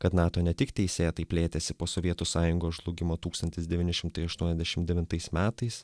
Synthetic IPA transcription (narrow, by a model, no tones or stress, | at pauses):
kɐt̪nɑːt̪oːnʲɛt̪ʲɪkt̪ʲɛɪsʲeːt̪ɐɪpʲlʲeːt̪ʲɛsʲɪpoːsoːʋʲiɛt̪ʊsɑːjʊŋɡoːʒlˠʊɡʲɪmoːt̪uːkst̪ɐnt̪ʲɪsd̪ʲɛʋʲiːnʲɪʃʲɪmt̪ɐɪɐʃt̪uɔnʲɛzd̪ʲɛʃʲɪmd̪ʲɛʋʲɪnt̪ɐɪsmʲæːt̪ɐɪs